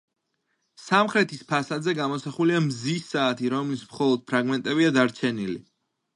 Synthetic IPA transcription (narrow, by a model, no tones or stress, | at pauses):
samχɾɛt̪ʰispʰasad̪zɛɡamɔsaχuliamzisːaːt̪ʰiɾɔmlismχɔlˠɔd̪̥̚pʰɾaɡmɛnt̪ʼɛbiad̪aɾt͡ʃʰɛnilḭ